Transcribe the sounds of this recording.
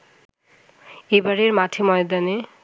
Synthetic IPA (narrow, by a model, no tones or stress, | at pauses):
ebaɾeɾmatʰemɔjd̪ane